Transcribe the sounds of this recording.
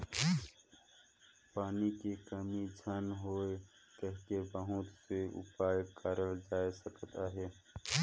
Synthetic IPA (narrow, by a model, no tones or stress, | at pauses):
paːnikekəmid͡ʒʱənɦoːe | kɛɦkebəɦʊt̪seʊ̰paːjkəɾəld͡ʒaːesəkt̪aɦɛː